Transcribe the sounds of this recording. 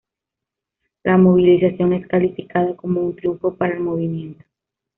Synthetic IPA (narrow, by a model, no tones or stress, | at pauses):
lʔamo̞β̞ilisasjo̞ne̞skalifikaðako̞mount̪ɾjuɱfo̞paɾaelmo̞β̞imje̞nt̪o̥